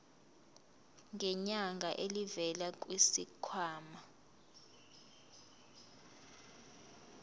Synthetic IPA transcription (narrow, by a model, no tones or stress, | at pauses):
ŋɡɛɲaŋɡʱaʔelivɛlak̬ʼwisḭkʰwaːma